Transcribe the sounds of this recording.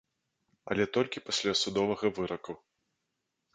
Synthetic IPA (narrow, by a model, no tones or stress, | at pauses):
ɐlʲɛt̪ɔlʲkʲipɐsʲlʲasud̪ɔvɐɣɐvɨɾɐku